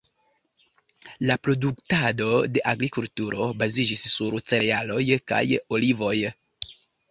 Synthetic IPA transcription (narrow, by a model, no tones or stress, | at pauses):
lapɾo̞duktado̞de̞ʔaɡɾikultuɾʔo̞bazid͡ʒisːuɾt͡se̞ɾealo̞jka̰jo̞livo̞j